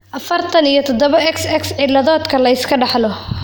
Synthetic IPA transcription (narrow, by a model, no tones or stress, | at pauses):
ʔɐfɐrt̪ʰɐnijɞt̪ʰɔd̪ɔβɐɛksɛksʕɪlɐðɔːd̪kʰɐlɐɪskʰɐɖɑħlɔ